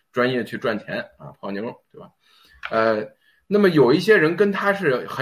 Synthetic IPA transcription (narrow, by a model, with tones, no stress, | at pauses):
ʈ͡ʂwa˥njɛ˥˧t͡ɕʰy˥˧ʈ͡ʂwa˥˩nt͡ɕʰjɛ˧˥nɐ̰˧˩pʰɑ˧˥˩ni˧˥ŋɻʊ˧˥˩ŋt̪we˥˩ɪbɐ̰˩ | ə˧ | na˥˩mə˩jo˨˩ʊi˥˩ɕ̬jɛ˥ɻə˧˥nkə˥nt̪ʰa˥ʂɻ̩˥˩xə˨˧˦